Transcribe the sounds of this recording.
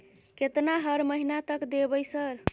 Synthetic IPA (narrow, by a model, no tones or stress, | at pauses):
ket̪naɦəɾməɦinat̪əkd̪ebəjsəɾ